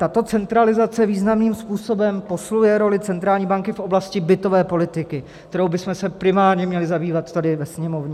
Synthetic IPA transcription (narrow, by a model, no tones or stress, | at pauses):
t̪at̪o̞t͡sɛnt̪ɾalɪzat͡sɛviːznamniːmspuːso̞bɛmpo̞slujɛɾo̞lɪt͡sɛnt̪ɾaːlɲiːbaŋkɪfʔo̞blascɪbɪt̪o̞vɛːpo̞lɪt̪ɪkɪ | kt̪ɛɾo̞wbɪsmɛsɛpɾɪmaːɾɲɛmɲɛlɪzabiːvat̪t̪adɪvɛsɲɛmo̞vɲɛ